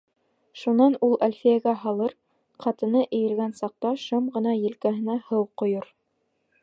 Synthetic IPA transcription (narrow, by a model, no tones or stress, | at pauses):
ʃunɑnulˠælʲfijæɡæɦɑlˠɤɾ | qʰɑt̪ɤ̆nɤʔɘ̆jɘ̆lɡænsɑq̚t̪ɑʃɤmʁɤ̆nɑjɘ̆lkæɦɘ̆næhɤwqŏjoɾ